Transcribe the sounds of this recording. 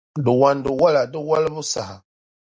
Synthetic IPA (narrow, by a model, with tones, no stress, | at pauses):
du˨wa˨ndu˨wa˦la˨də˦wa˦lmu˦sa˨ha˨